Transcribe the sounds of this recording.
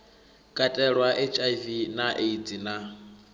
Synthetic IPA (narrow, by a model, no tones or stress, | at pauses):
kʼatʼɛɺwaʔet͡ʃʼajvinaʔed͡zina